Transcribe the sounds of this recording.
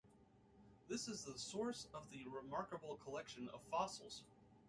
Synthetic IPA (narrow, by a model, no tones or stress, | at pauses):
ðɪsɨzðəsɔɹsʌvðɨɹɨmɑɹkəbl̩ˠkʰəlɛkʃɨ̃nʌ̰v̥fɑsl̩ˠz̥